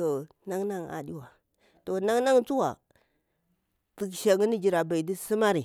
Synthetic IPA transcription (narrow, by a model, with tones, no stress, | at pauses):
o˨ | na˦ŋna˦ŋa̰˨di˦wa˨ | to˨na˦ŋna˦ŋt͡su˦wa̰˨ | ti˨kʃa˨ŋi˦ni˦d͡ʒi˨ɾa˨ba˨i˨di˦si˦ma˦ɾi˨